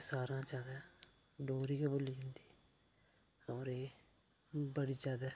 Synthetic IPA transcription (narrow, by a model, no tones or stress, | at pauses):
saːɾãːd͡ʒaːd̪aː | ɖoːɾiːkaboliːd͡ʒɪ̃nd̪iː | ɔːɾeː | bəɽiːd͡ʒjaːd̪aː